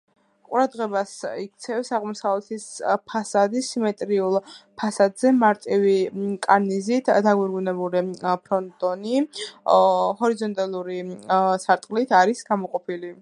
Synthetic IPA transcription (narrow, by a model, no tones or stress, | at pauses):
qʼuɾad̪ʁɛbasik̚t̪sʰɛfsaʁmɔsavlɛt̪ʰispʰasad̪isimɛt̪ʼɾiulˠpʰasad̪zɛmaɾt̪ʼivikʼaɾnizit̪ʰd̪aɡɛɾɡunɛbuɾipʰɾɔnt̪ʼɔni | hɔɾizɔnt̪ʼalˠuɾisaɾt̪ʼqʼlit̪ʰaɾisɡamɔqʼɔpʰili